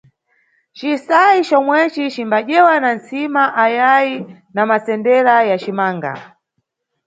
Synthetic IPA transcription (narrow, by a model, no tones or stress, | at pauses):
t͡ʃisait͡ʃɔmwɛt͡ʃit͡ʃimbaʄɛwanant͡simaʔajaji | namasɛndɛɾajat͡ʃimaːŋɡa̰